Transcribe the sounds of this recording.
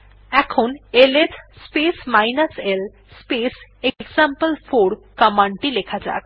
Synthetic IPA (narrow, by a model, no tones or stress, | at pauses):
ɛkʰoneletspesmajnasel | speseɡzampəlfoɾkamaɳʈilekʰad͡ʑa̰k